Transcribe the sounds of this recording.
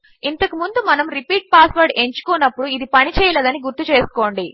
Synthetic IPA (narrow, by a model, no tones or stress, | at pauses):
int̪ɐkumund̪umɐnɐmɾipiːʈ̚paːsʋɐɾɖe̞ɲt͡ʃu̥koːnːɐpːuɽuid̪ipɐnit͡ʃɛːjɐleːd̪ɐniɡuɾt̪ut͡ʃe̞ːsu̥ko̞ːɳɖi